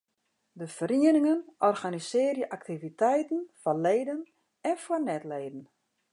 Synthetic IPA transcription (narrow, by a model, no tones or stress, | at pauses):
dəfəɾiənɪŋənɔrɣanisɪːrjəʔaktivitʰɛjtən̩fɔnleːdən | ɛnfwɔnɛtleːdən̩